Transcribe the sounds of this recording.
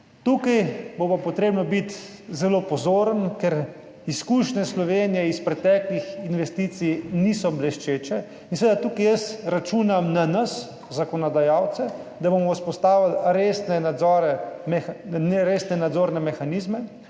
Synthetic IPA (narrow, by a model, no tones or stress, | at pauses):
t̪ukajbopapɔt̪ɾeːbnɔbit̪ | zɛlopɔzoːɾənkɛɾ | iskuːʃnɛslɔʋeːnijɛispɾɛt̪ɛːklixinʋɛst̪it̪sijniːsɔblɛʃt͡ʃeːt͡ʃɛ | inseʋed̪at̪ukajəsɾat͡ʃuːnamnanəs | zakɔnɔd̪ajaːwt̪sɛd̪abomɔuspɔst̪aːʋalɾeːsnɛnad̪zɔɾɛmɛnɾesnɛnad̪zoːɾnɛmɛxanizmɛ